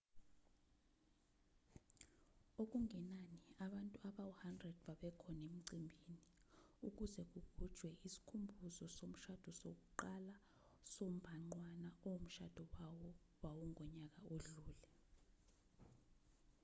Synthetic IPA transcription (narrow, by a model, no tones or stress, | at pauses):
ok̬uŋɛnaniaɓantʼuaɓauhandrɛd̥̚ɓaɓɛkʰɔnem̩ǀimbʱiːniuk̬uzɛk̬ukʰud̥ʒ̥ʱwɛʔisi̥kʰumbʱuzɔsom̩ʃad̥ʱɔsok̬uǃala | som̩bʱaŋ͡ǀwanaɔom̩ʃa̰d̥ʱɔwawɔ | wawɔŋʱɔɲak̬aoɮuːlɛ